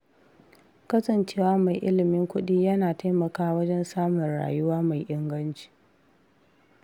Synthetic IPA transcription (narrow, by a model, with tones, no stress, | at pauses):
kɐ˦sɐ˨nt͡ʃeː˦waː˦ma˨jʔɪ̰˦lɪ˨mɪ˦ŋkʷʊ˦ɗiː˦jɐ˦naː˨ta˦jmɐ˨kaː˦wɐ˦d͡ʒɛ˦nsaː˦mʊ˨nɽa̰ː˨jʊ˦waː˦ma˨jʔɪ˦ŋɡɐ˦nt͡ʃi̥ː˨